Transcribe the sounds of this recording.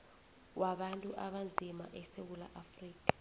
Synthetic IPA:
wʔaɓantʼuʔaɓand͡zʱimaʔɛsewula̰ʔafriːkḁ

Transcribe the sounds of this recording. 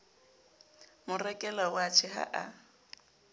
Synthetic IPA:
mʊrɛkʼɛlaʊat͡ʃʰɪɦa̰ʔa

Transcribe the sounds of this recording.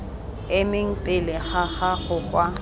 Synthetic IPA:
ɪmɪŋ̩pʼɪlɪχaχaχʊkʼwa

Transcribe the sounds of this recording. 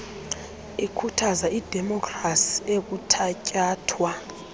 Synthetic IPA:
ikʰutʰazaʔid̥ʱɛmɔkʰʼrasi̥ek̬utʰacʼaːtʰwa

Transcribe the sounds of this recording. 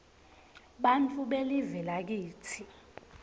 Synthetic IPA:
ɓant͡fʰʼuɓelivɛlak̬iːtʰi

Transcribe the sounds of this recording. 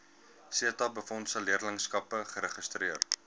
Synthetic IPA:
siətɐbəfɔntsəliərləŋskɐpəχəɾəχəstɾiər

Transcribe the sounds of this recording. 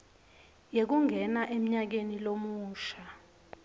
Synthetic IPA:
jek̬uŋʱɛnaʔem̩ɲak̬enilomuːʃa

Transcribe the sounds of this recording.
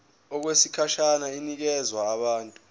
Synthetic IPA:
ɔk̬wesikʰaʃanainik̬ɛzwaːɓaːntʼu

